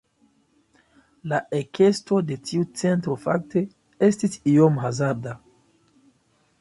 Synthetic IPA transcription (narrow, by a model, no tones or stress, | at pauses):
laʔekʰe̞sto̞de̞tiut͡se̞ntɾo̞fa̰k̚tʰe̞ | estisiomɦazaɾda